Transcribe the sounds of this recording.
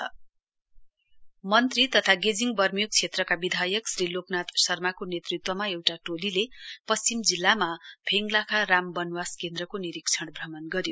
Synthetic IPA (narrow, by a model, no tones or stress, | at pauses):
mʌnt̪rit̪ʌt̪ʰaɡed͡ziŋɡbʌrmijok̚t͡sʰet̪rʌkabid̪ʱajʌksriloknat̪sʌrmakonet̪rit̪wʌmaewʈaʈolilepʌst͡simd͡zilːamabʱeŋɡlakʰarambʌnwaskend̪rʌkoniɾikt͡sʰʌɽbʱrʌmʌnɡʌɾjo